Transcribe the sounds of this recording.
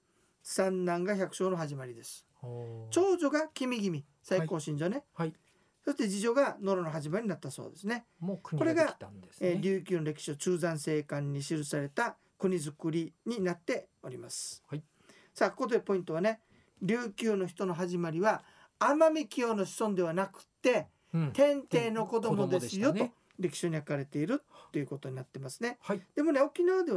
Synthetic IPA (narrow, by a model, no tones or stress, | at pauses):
sãnːãŋɡaçakɯ̟ɕo̞ːno̞ɦaʑimaɾʲid̪e̞sɨ̥ | t͡ɕo̞ːd͡ʑo̞ɡakʲimʲiɡʲimʲi | saiko̞ːɕĩɲ̟d͡ʑone̞ | so̞ɕi̥t̪e̞d͡ʑiʑo̞ɡano̞ɾo̞noɦaʑimaɾʲiɲ̟inat̪ːaso̞̰ːd̪e̞sɨne̞ | ko̞ɾe̞ɡaeːɾʲɨːkʲɨːnoɾe̞kʲi̥ɕiot͡ɕɨːzãɰ̃se̞ːkãɲ̟ːiɕiɾɯ̟saɾe̞t̪a | kɯ̟ɲ̟izɨkɯ̟ɾʲiɲ̟inat̪ːe̞o̞ɾʲimasɨ̥ | saːkot̪oepo̞ĩnt̪o̞β̞ane̞ | ɾʲɨːkʲɨːno̞çi̥t̪o̞no̞ɦaʑimaɾʲiβa | amamʲikʲiono̞ɕi̥sõ̞nd̪e̞β̞anakɯ̟̥t̪ːe̞ | t̪ẽ̞nt̪e̞ːno̞ko̞d̪o̞mo̞d̪sɨjo̞o̞ | ɾʲe̞kʲi̥ɕoɲ̟iakaɾe̞t̪e̞iɾɯ̟t̪ːe̞jɯko̞t̪o̞ɲ̟inat̪ːe̞masɨne̞d̪̥e̞mo̞ne̞o̞kʲinaβad̪e̞